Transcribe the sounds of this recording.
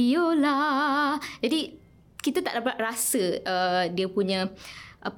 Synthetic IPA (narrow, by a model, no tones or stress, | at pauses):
jola | d͡ʒadi | kit̪at̪a̰ʔdapat̪̚rasəədiəpuɲə̃ʔə